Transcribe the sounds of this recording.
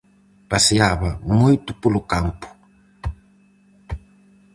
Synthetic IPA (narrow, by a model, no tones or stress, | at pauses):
basijaβamuitupulukampʰu̥